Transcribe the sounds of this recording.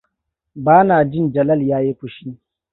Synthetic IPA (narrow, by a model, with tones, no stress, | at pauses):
baː˦naː˨d͡ʒɪ˦nd͡ʒɐ˨lɐ˦ljaː˦je˦kʷʊ˨ʃi˦